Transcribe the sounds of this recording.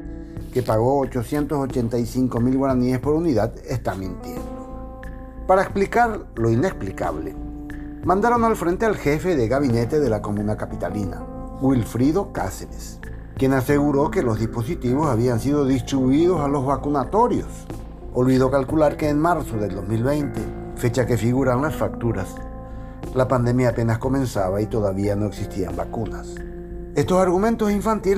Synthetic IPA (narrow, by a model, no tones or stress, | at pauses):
kepaɣ̞o̞ːt͡ʃosje̞nt̪osot͡ʃent̪ajsiŋkomilɣwaɾaniespoɾuniðað | est̪amẽnt̪eno | paɾaeksplikaɾ | loineksplika̰β̞lḛ | mãnd̪aɾonalfɾent̪ealxefe̞ðeɣaβinet̪e̞ðe̞lakomũnakapit̪alina̰ | ɡwilfɾiðo̞ka̰seɾes | kje̞nase̞ɣuɾo̞ke̞lo̞zðispo̞sit̪iβo̞saβ̞iansið̞o̞ðist̪ɾiβuiðo̞salo̞zβakunat̪o̞ɾjo̞̰s | olβiðo̞kalkulaɾke̞ːnmaɾsoðeld̪o̞zmilβe̞jnt̪e̞ | fe̞t͡ʃake̞fiɣuɾanlasfak̚t̪uɾas | lapand̪e̞mjaːpe̞nasko̞mẽ̞nsaβait̪o̞ðaβiano̞e̞ksist̪ia̰mbakunas | e̞st̪o̞saɾɣumẽ̞nt̪osiɱfant̪il